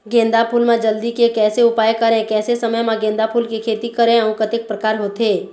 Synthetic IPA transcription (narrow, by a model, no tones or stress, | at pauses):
ɡẽːnd̪apʰuːlmẽd͡ʒəld̪ikekɛːseʊpaːjkəɾẽkɛːsesɐməjmãɡẽːnd̪apʰuːlkikʰeːt̪ikəɾẽəũkət̪ɪk̚pɾəkaːɾɦoːt̪ɦeː